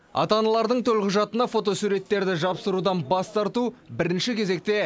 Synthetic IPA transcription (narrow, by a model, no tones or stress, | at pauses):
ɑ̰t̪ɑnɑlˠɑɾd̪əɴt̪ʰɵlqʰʊʒɑt̪ənɑfo̞t̪o̞suɾe̞t̪ːe̞ɾd̪ɪʒɑpsəɾud̪ɑnbɑst̪ɑɾt̪ubɪɾɪnʃɪkʲʰe̞ze̞k̚t̪e̞